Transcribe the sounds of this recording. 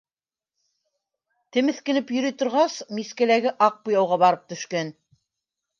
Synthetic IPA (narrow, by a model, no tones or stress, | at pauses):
t̪ɘ̆mɘ̆θkɘ̆nɘpjɵ̆ɾit̪ŏɾʁɑsmiskælæɡɘʔɑq̚pujɑwʁɑbɑɾɤp̚t̪ɵ̆ʃkæn